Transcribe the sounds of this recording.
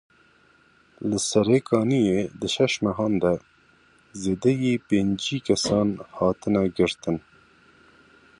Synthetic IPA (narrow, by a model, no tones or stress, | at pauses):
ləsɐɾeːkʰɑːnijed̪ɨʃɐʃmɐɦɑːnd̪ɛ | zeːd̪ɛjepeːnd͡ʒiːkɐsɑːnhɑːt̪ɨnaɡəɾt̪ɨn